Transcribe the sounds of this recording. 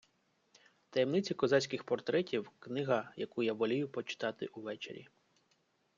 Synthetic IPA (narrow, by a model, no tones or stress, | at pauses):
t̪ɐjemnɪt͡sʲikɔzɑt͡sʲsʲkɪxpɔrt̪ɾɛtʲiwknɪɦɐjɐkujaʋɔlʲijʊpɔt͡ʃɪ̥t̪ɑt̪ɪ̰ʔuʋɛt͡ʃeɾʲḭ